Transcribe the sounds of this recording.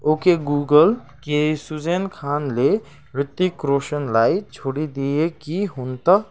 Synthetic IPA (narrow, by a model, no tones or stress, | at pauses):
oːkeɡuːɡəl | kesud͡ʒeːnkʰaːnle | ɾɪt̪ːikɾoːʃənlaːit͡ʃʰoːɽid̪iekiɦʊnt̪ə